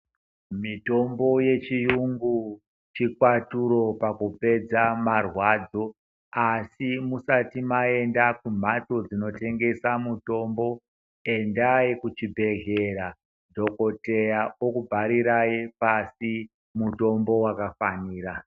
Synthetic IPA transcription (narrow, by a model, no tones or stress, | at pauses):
mito̞mbo̞je̞t͡ʃijuŋɡu | t͡ʃikwatuɾo̞pakupe̞d͡zamarwad͡zo̞ | asimusatimae̞ndakum̤ato̞d͡zino̞te̞ŋɡe̞samuto̞mbo̞ | e̞ndajikut͡ʃibʱe̞ɦe̞ɾa | dʱo̞ko̞te̞jaokubʱaɾiɾaipasi | muto̞mbo̞wakafaniːɾa